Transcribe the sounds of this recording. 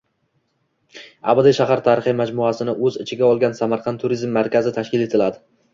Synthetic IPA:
a̰bad̪ɪʃaɦaɾt̪ʰaɾɪχɨmad͡ʒmʊasɪnɪʔɵzɪt͡ʃʰɪɡʲaɒlˠɡʲansamaɾqʰɑnt̪ʰʊɾizmːaɾkʲazɪt̪ʰaʃkʲɪlet̪ʰɪlad̪ɪ

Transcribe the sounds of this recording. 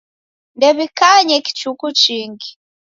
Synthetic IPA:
ndɛβikaɲɛki̥t͡ʃukut͡ʃiːŋɡi̥

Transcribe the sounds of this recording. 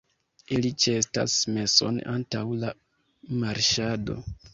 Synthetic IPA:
ilit͡ʃe̞sta̰sme̞so̞̰nantawla | maɾʃado̞̰

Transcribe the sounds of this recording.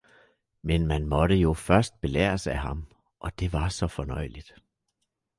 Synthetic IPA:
menmænmɒ̽ɾəjo̝fɶɐsd̥̚b̥e̝lɛ̰ːɐsæɦɑ̈m | ʔɒ̽d̥e̝ʋɑ̈sɒ̽fɒ̽nɒ̽ɪ̰lid̥

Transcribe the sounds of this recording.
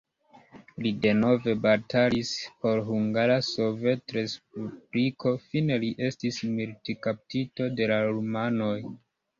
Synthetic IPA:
lide̞no̞ve̞batalispo̞ɾɦuŋɡaɾaso̞ve̞tɾe̞sp̚ubɾiko̞fine̞liʔe̞stismiltikap̚tito̞de̞laɾumano̞j

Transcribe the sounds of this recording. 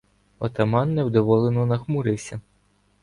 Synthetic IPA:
ɔt̪ɐmɑnːewd̪ɔʋɔlˠenɔnɐxmʊɾɪwsʲɐ

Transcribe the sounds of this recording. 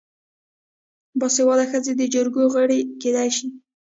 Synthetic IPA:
bɑsewɑlaxəzed̪əd͡ʒəɾɡoɣəɽeked̪ajʃi

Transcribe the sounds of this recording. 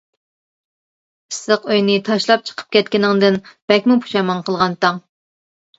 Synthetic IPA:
pʰɨ̥səqøjnɨt̪ʰɑʃlˠɑp̚t͡ʃʰə̥qʰə̥p̚kʲɛt̪̚kʲinɪŋd̪ɪnb̥ɛkʲmupʰu̥ʃɑmɑnqʰəlˠʁɑnt̪ɑŋ

